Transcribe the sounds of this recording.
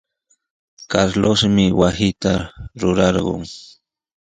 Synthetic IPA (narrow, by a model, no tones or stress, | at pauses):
kaɾlosmɪwasɪt̪aɾʊɾɑɾɢo̰ŋ